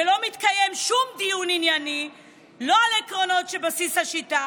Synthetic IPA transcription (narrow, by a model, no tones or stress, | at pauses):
elo̞mit̪kaje̞mʃumdijuninjani | lo̞alekʁo̞no̞tʃe̞basishaʃita